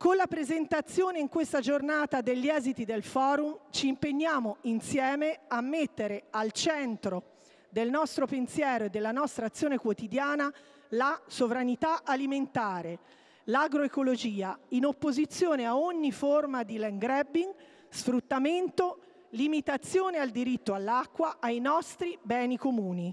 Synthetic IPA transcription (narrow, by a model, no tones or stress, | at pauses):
konlapɾezent̪at̪sːjoːneiŋkwest̪ad͡ʒornaːt̪ad̪eʎːiɛːzit̪id̪elfɔːɾumt͡ʃiːmpeɲːaːmoinsjɛːmeamːet̪ːeɾealt͡ʃɛnt̪ɾo | d̪elnɔst̪ɾopensjɛːɾoed̪ːelːanɔst̪ɾaːt̪sːjoːnekwot̪id̪jaːna | lasovɾanit̪aʔaliment̪aːɾe | laɡɾoekolod͡ʒiːainopːozit̪sːjoːneaoɲːiformad̪ilɛŋɡɾɛbːiŋ | sfɾut̪ːament̪o | limit̪at̪sːjoːneald̪iɾit̪ːoalːakːwaʔajnɔst̪ɾibɛːnikomuːni